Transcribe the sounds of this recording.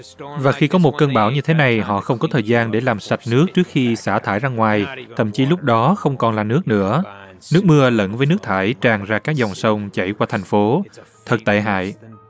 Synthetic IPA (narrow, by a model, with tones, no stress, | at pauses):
vaː˨˩xi˧kɔ˨˦mo˨˩t̚kəː˧nɓaː˧˩wɲɨ˧t̪ʰe˨˦na˨˩jɦɔ̰˧˨xə˧wŋ͡mkɔ˨˦t̪ʰəː˨˩jzaː˧nɗe˧˩laː˨˩msa˨˩t̚nɨ˦˥ək̚t͡ɕɨ˦˥ək̚xi˧saː˧˩t̪ʰaː˧˩jzaː˧ŋwaː˨˩jt̪ʰə̰˧˨mt͡ɕi˨˦lʊ˦˥k͡p̚ɗɔ˨˦xə˧wŋ͡mkɔ˨˩nlaː˨˩nɨ˦˥ək̚nɨ̰˧˥ə | nɨ˦˥ək̚mɨ˧ələ̰˧˥nvəː˨˦jnɨ˦˥ək̚t̪ʰaː˧˩jt͡ɕaː˨˩ŋzaː˧kaː˦˥k̚zɔ˨˩wŋ͡msə˧wŋ͡mt͡ɕa˧˩jkwaː˧t̪ʰɛ˨˩ŋ̟fo˨˦t̪ʰə˨˩k̚t̪a̰ː˧˨jɦa̰ː˧˨j